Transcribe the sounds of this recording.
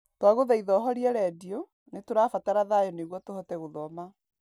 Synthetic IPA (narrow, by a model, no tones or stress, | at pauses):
twaɣoðaiðɔɦɔɾiɛɾɛdijɔ | netoɾaːfataɾaðajɔneɣwɔtohɔtɛɣoðɔma